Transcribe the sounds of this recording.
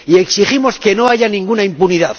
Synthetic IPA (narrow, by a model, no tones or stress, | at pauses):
ie̞ksiχimo̞ske̞no̞aʝanĩŋɡunaimpuniðað